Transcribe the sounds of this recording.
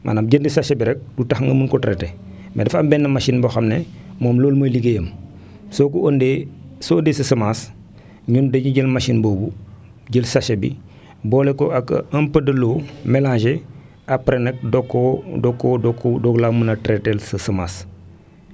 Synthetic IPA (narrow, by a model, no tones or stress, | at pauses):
mʔa̰napɟəndisaʃebiɾɛk̚dutaxŋɡəmunkotɾete | medɐfambɛnːɐmaʃinbɐxamnemoːmloːlmɐliɡejəm | soːkuondeːsondesɐsɐmas | ɲundɐɲuɟəlmaʃinboːbu | ɟəlsaʃebḭ | boːlekoakɐmpɐdɐloːmelaːʒe | apɾenek̚dokːodokːodokːudoɡlamunɐtɾetelsɐsɐmaːs